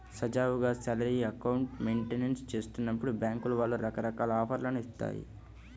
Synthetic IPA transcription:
sɐd͡ʒaːʋuɡaːsɐlɐɾiɐkɐwuɳʈme̞ːɳʈenenst͡ʃe̞ːst̪unːɐpːuɽubjaːŋkuluʋaːlːuɾɐkɐɾɐkaːlɐaːpɐɾlɐnuist̪a̰ːjḭ

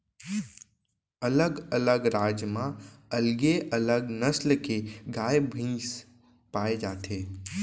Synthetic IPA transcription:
ələɡələɡɾaːd͡ʒmãɐlɡeʔələɡnəslkeɡaːjebʱĩːs | paːed͡ʒaːt̪ʰeː

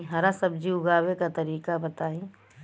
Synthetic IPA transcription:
ɦɐɾasəbd͡ʒiʊɡaːwekat̪ɐɾiːkabɐt̪aːĩ

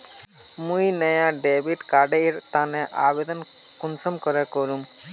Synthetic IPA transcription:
mũjnɛjãɖebiʈkaɖeɾt̪anɛʔa̰bed̪ɔn | kunsɔmkɔɾekɔɾum

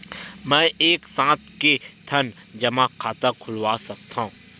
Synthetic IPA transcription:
mɛ̃ːeːksãːt̪ʰket̪ʰən | d͡ʒɐmakʰaːt̪akʰʊlʋaːsɐk̚t̪aɦũː

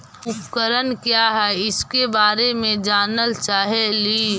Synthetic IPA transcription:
ʊpkəɾənkjaːɦɛɪskebaːɾemẽd͡ʒaːnəlt͡ʃaːɦeliː

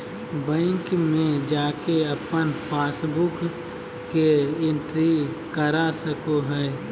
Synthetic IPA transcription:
bə̃ɪŋkmẽd͡ʒaːkeəpənpʰaːsbʊk | keɪ̃nʈɾi | kəɾasəkoɦɛː

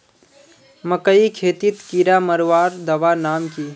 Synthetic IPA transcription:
məkəikʰeːt̪it̪kiɾaməɾʋaːɾd̪ɐʋanaːmkiː

